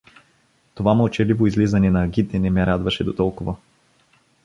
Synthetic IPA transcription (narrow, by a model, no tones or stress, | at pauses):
t̪ovamɐlˠt͡ʃɛlivoizlizɐnɛnɐːɡʲit̪ɛnɛmɛɾad̪vɐʃɛd̪ot̪ɔlˠkʊvə